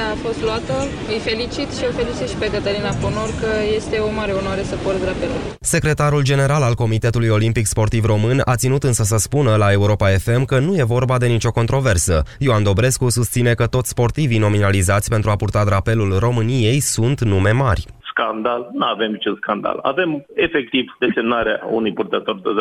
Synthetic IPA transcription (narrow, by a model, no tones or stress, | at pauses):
afo̞st̪luat̪ə | ɨjfe̞lit͡ʃit̪ʃiofe̞lit͡ʃit̪ʃi̥pe̞kət̪əɾinaponorkəje̞st̪e̞omaɾe̞onoaɾe̞səport̪d̪ɾape̞lul | se̞kɾe̞t̪aɾuld͡ʒe̞ne̞ɾalalko̞mit̪e̞t̪ulujo̞limpikspo̞rt̪ivro̞mɨna̰t̪sinut̪ɨnsəs̬əspunəlae̞uɾo̞pae̞fe̞mkənuje̞vo̞rbad̪e̞nit͡ʃo̞ko̞nt̪ɾo̞ve̞rsəjoand̪o̞bɾe̞skusust̪sine̞kət̪o̞t̪sʲspo̞rt̪ivino̞minalizat̪sʲpent̪ɾuapurt̪ad̪ɾape̞lulro̞mɨnije̞jsunt̪nume̞marʲskand̪alnuave̞mit͡ʃenskand̪a̰la̰ve̞me̞fek̚t̪ivd̪̥e̞se̞mnaɾeaṵnujpurt̪ət̪o̞rd̪e